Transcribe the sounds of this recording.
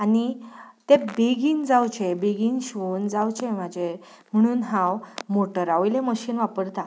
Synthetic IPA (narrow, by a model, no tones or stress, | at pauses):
anit̪ebeɡiːnd͡zawt͡ɕebeɡiːnɕʋond͡zawt͡ɕemad͡ʑe | m̤əɽ̃uːnɦãwmoʈəɾaʋjlẽməɕiːnʋapəɾt̪a